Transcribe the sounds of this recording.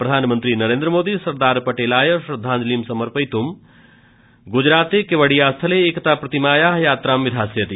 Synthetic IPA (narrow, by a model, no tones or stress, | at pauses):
pɾɐd̪ʱaːnmənt̪ɾinɐɾẽːnd̪ɾəmoːd̪isɐɾd̪aːɾpɐʈeːlaːjəsɾɐd̪ʱːãːnd͡ʒliːmsɐməɾpəjt̪um | ɡʊd͡ʑɾaːt̪ekeʋəɽijaːst̪ʰəleːkt̪apɾɐt̪imaːjaːɦjaːt̪ɾaːmʋɪd̪ʱaːsjɐt̪i